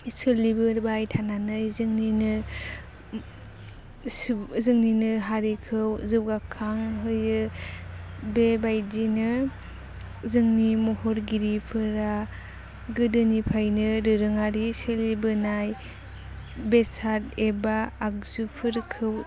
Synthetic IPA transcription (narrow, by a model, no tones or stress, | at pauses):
sɯlibɯɾbajtʰananɯjzɯŋninɯ | szɯŋninɯɦaɾikʰɯwzɯwɡakʰːaŋɦɯjɯ | bebajdinɯ | zɯŋnimɔhɔɾɡiɾipʰɯɾa | ɡɯdɯnipʰajnɯɾɯɾɯŋaɾisɯlibɯnaj | besaɾebaːk̚zupʰɯɾkʰɯw